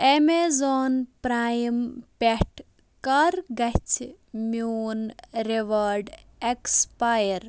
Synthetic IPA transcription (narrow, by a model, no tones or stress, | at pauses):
emezoːnpɾaːjmpeʈ | kɐɾɡɐt͡ʃʰ | moːnɾeʋɐɾɖekspajəɾ